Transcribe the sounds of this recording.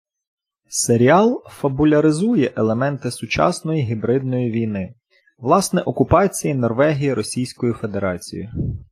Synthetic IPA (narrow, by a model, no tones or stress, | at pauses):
seɾʲiɑlˠfɐbʊlʲɐɾɪzujɛʔelˠemɛnt̪ɪsʊt͡ʃɑ̰snɔjiɦʲibɾɪd̪̚nɔjiʋʲijnɪ | ʋlˠɑsnɛʔɔkʊpɑt͡sʲijinɔrʋɛɦʲijiɾɔsʲijsʲkɔjife̞d̪eɾɑt͡sʲḭjʊ